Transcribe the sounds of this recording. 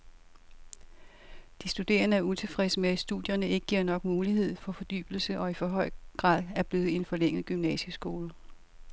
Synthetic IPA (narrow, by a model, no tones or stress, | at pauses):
d̥isd̥ud̥e̝̰ːɐnəæɐut͡sʰe̝fʁɛsəmeæ̥sd̥uðˠjɐnəe̝ɡ̥ə̥ɡ̥iɐ̰nɒ̽ɡ̥muːlihe̝ð̞̰ˠfɒ̽fɒ̽d̥y̰ːb̥l̩səʔɒ̽ifɒ̽ɦɒ̽ɪ̰ɡ̥ʁɑ̰̈ːð̰ˠæɐb̥le̝ːð̩ˠe̝nfɒ̽leŋ̰əð̩ˠɡ̥ymnɛ̰səsɡ̥o̝ːlə